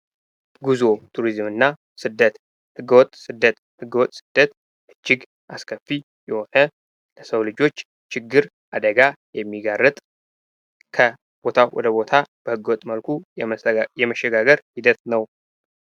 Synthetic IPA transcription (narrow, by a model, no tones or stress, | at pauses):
ɡuzo̞t̪ʰuɾizmɨnːa | sɨd̪ət̪ | hɨɡːəwɔt̪ʼsɨd̪ːət̪ | hɨɡːəwɔt̪ʼːsɨd̪̥ːət̪ | ʔɨd͡ʒːɪɡ | ʔaskʰəfːi | jɛwɔħə | ləsəwlɨd͡ʒo̞t͡ʃː | t͡ʃʰɪɡːɨɾ | ʔad̪əɡajɛmːiɡarːɨt̪ʼ | kʰə | b̥o̞t̪ʰawʔɔ̰d̪əbo̞t̪ʰab̥əhɨɡːəwɔt̪ʼməlkʰu | jɛməʃːɛɡaɡəɾhid̪ət̪nəw